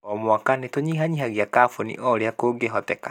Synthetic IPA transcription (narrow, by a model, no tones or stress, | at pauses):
ɔmwakanetoɲiːɦaɲiɦaɣiakaːfonḭʔɔɾeakoːɡeɦɔtɛka